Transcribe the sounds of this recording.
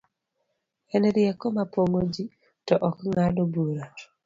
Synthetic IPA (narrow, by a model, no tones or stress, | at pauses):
ɛnɾjɛkɔmapoŋod͡ʒi | tɔʔɔkŋadobuɾa